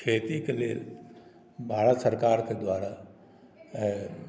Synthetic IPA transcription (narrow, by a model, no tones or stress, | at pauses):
kʰeːt̪ikeleːl | bʱaːɽt̪səɾkaːɾked̪waːɾa